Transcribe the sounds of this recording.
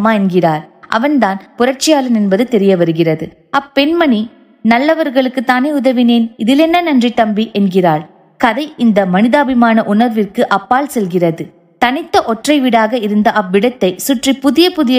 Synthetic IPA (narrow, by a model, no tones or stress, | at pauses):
maːɛnɡɪraːɾʔɐ̰ʋɐnd̪aːnpʊrɐɾt͡ʃɪjaːlɐnɛnbɐðɯt̪ɛɾɪjɐʋɐɾɯɣɪrɐðɯ | ɐpːɛnmɐni | nɐlːɐʋɐɾɣɐɭɯkːɯt̪ːaːneːʊðɐʋɪneːnɪðɪlɛnːɐnɐndrit̪ɐmbiʔɛnɡɪraːɭ | kɐðɐɪʔɪnd̪ɐmɐnɪðaːbɪmaːnɐʔʊnɐɾʋɪrkɯʔɐpːaːlsɛlɣɪrɐðɯ | t̪ɐnɪt̪ːɐʔɔʈrɐɪʋɪɽaːɣɐɪɾɯnd̪ɐʔɐʋːɪɽɐt̪ːɐɪsʊʈripʊðɪjɐpʊðɪjɐ